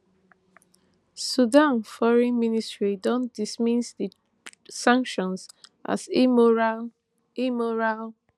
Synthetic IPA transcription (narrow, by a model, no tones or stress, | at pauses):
sudãnfɔɹɛ̃nministɹidɔ̃nd̥ismĩsdi | sãŋkʃɔ̃nsʔa̰s | imɔɹal